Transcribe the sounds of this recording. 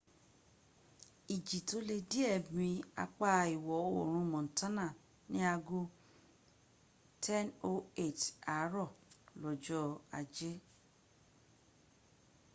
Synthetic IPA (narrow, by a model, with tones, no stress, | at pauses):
i˨d͡ʒi˨to˨˦le˧di˦ɛ˦˨bĩ˧a̰˧k͡pa˧i˨wɔ˨o˦o˨ɾ̃ũ˧mɔ̃˨n̩˨tã˦nã˦˨ | nĩ˨˦a˧ɡu˦ | tʰɛ̃˦no˦e˦˨ta˨˦ɾɔ˦˨lɔ˨d͡ʒɔ˦a˧d͡ʒe˦